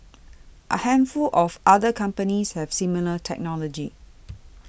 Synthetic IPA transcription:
ʔə̰hɛ̃nfulʔɔfʔadəkʰãmpənishɛv̥similətʰɛ̰k̚nɔlɔd͡ʒi

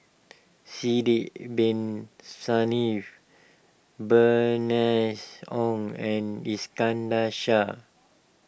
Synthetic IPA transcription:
sidiʔbĩnsanif | bənɛsɔ̃ŋɛ̃niskãndaʃa

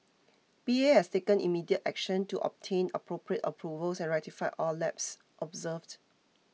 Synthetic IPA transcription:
biehɛstekə̃nḭmidiətɛ̰k̚ʃə̃ntuʔɔ̰p̚tʰẽnə̰pɹopɹiətəpʰɹuvəlsɛ̃nɹɛk̚tifaɪʔɔlɛp̚s | ʔɔbzəvd

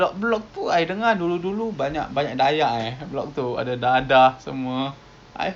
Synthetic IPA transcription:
ɔk̚blɔk̚t̪uajdəŋanduludulubaɲa̰ʔbaɲaʔ̚dajaʔajblɔk̚t̪ua̰dadadahsə̰mua | ʔa̰j

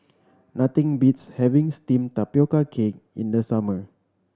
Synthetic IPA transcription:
nat̪ĩŋbitshɛvĩŋstĩmtapjokakʰek̚ḭ̃ndəsamə

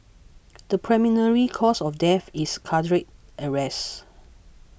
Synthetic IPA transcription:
d̥əpʰɹɛminəɹikʰɔsɔfdɛfiskʰadɹet̚ʔəɹɛs

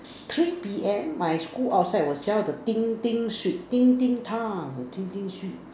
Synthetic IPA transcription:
t̪ʰɾipiʔɛnmaɪskulʔaʊsaɪwəsjad̪ət̪iŋt̪iŋsit̪iŋt̪iŋt̪ʰaŋt̪iŋt̪iŋɕy

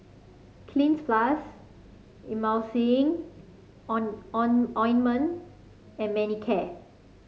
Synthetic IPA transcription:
kʰlĩnsplas | ĩmawsiɪ̃ŋ | ɔʔɔ̃jnmə̃n | ɛ̃nmɛnikʰɛ

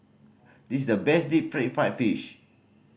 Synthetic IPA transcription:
dis̬sdəbɛsdit̚fɹɛ̃t̚faɪtfiʃ

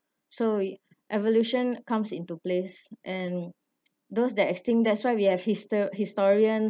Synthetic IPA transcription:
so | ʔɛvoljuʃə̃nkãmsĩntuplesʔɛ̃n | dosdɛtɛkstĩmdɛtswaɪwihɛvhisthistɔɹiə̃n

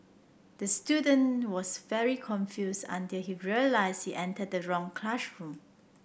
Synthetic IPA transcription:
d̥əstjudə̃nwɔsvɛɹikʰɔ̃ɱfjusã̰ntɪlhiɹiəlaɪsdhiʔɛ̃ntəd̚əɹɔ̃ŋkʰlaʃɹũm

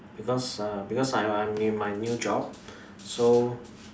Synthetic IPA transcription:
b̥ikɔsabikɔsajajmnemajnjud͡ʒɔb̚ | so

